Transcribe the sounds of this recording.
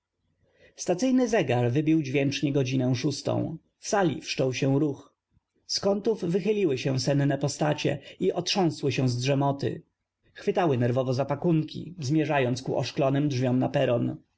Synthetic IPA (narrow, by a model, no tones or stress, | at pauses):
st̪at̪sɘjnɘzɛɡaɾvɘbʲiwd͡ʑvʲjɛnt͡ʂɲɛɡɔd͡ʑinɛw̃ʂust̪ɔ̰̃w̃ | fsalʲḭfʂt͡ʂɔwɕɛw̃ɾux | skɔnt̪uvːɘxɘlʲiwɘɕɛ̃sɛnnɛpɔst̪at͡ɕɛ̰iʔɔtʂɔ̃w̃swɘɕɛw̃zdʐɛmɔt̪ɘ̰ | xfɘt̪awɘnɛɾvɔvɔzapakuŋkʲḭzmʲjɛʐajɔnt̪skṵʔɔ̰ʂklɔnɘmdʐvʲjɔmnapɛɾɔn